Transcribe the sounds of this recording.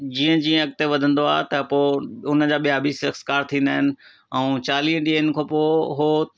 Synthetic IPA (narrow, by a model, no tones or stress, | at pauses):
d͡ʑiːə̃d͡ʑiə̃ɐk̚t̪eʋɐd̪ʱə̃nd̪oaːɦt̪ɐpoʊnə̆d͡ʑaːɓijabiːsɐkskaːɾt̪ʰĩːnd̪aːɦɪnɪ̆ | ɛ̃ũt͡ɕaːliːɦə̃ɗiənɪ̆kʰopoːɦo